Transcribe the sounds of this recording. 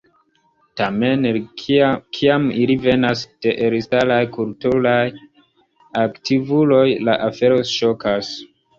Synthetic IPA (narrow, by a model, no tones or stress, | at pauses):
tame̞n | kʰiamilive̞nasd̥e̞ʔeɾisalajkultulaj | aktivulo̞jla̰ʔafe̞ɾo̞ʃo̞kas